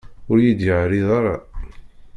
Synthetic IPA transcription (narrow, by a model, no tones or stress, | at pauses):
ʊɾjid̪jəʕɾiðˤɑɾˤɑ̰